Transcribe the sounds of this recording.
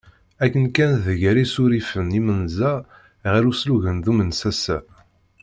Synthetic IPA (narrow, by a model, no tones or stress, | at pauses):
ækːənkænðəʝæɾisuɾifənimənzæ | ʁælusluʝənðumənsæsæ